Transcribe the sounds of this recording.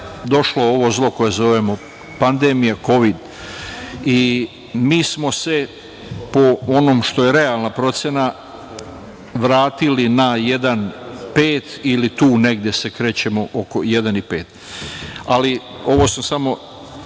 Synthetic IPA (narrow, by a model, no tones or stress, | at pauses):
d̪o̞ʃlooʋozlo̞ko̞jezo̞ʋe̞mo̞ | pand̪eːmijako̞ʋid̪ | i | miːsmo̞se̞ | po̞ono̞ːmʃt̪o̞je̞ɾe̞alˠnapɾo̞t̪sje̞na | ʋɾaːt̪ilinaje̞d̪anpeːt̪ilit̪uːne̞ɡd̪je̞se̞kɾe̞ːt͡ɕe̞mo̞ʔokojed̪anipe̞̰ːt̪ | alio̞ʋosmosamo̞